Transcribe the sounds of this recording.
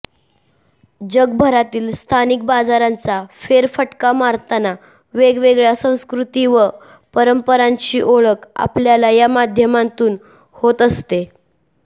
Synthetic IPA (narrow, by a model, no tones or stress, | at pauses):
d͡ʑəɡ̚bʱəɾat̪iːlst̪ʰanik̚bad͡zaɾant͡safeɾfəʈkamaɾt̪ana | ʋeɡʋeɡɭjasə̃w̃skɾut̪iːʋə | pəɾəmpəɾaɲt͡ɕiːʔoɭəka̰pljalajamad̪ʱjəmãnt̪uːn | hot̪əst̪e